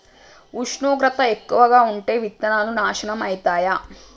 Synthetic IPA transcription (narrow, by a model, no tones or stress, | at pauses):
uʂɳoːɡɾɐt̪ɐekːuʋɐɡaːuɳʈe̞ːʋit̪ːɐnaːlunaːʂɐɳɐmɐjit̪aːja